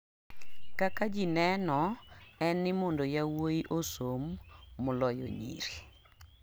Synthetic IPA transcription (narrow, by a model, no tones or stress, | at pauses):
kakad͡ʒinɛnɔɛnːɪmɔndojawoiʔosomːʊlɔjo̰ɲḭɾi